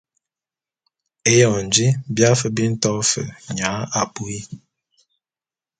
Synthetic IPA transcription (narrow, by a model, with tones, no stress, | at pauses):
e˦jɔ˨n˨d͡ʒi˦bja˦fə˦bi˦n̩˦tɔ˦fə̰˨ɲa˨˦a˨pu˦i˦